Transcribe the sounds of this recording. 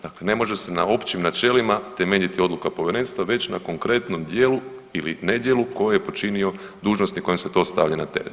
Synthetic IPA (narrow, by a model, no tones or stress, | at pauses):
d̥̪akle̞ne̞mo̞ʒese̞nao̞pt͡ʃimnat͡ʃe̞limat̪e̞meʎit̪io̞d̪lukapo̞ʋʲeɾe̞ːnst̪ʋaʋe̞t͡ɕnako̞ŋkɾe̞t̪no̞md̪je̞ːluiline̞d̪je̞luko̞jejepo̞t͡ʃinio̞d̪uːʒno̞st̪iko̞jemse̞t̪o̞ːst̪aʋʎanat̪eɾḛ